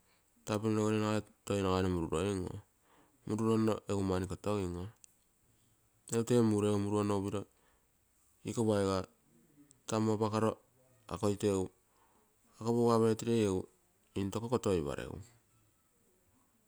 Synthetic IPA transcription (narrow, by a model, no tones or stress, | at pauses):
tapininoɡoɾenaatojnaɣanomuɾuɾoeŋo̰ | muɾuɾonoʔeumanikotoiŋo | ewtemuɾeumuɾuonoβiɾo | ikoβaeɡa | tamopakaɾo̞ | a̰ko̞jtew | akoβowaβeɾetiɾejew | into̞kokotojβa̰ɾḛw̰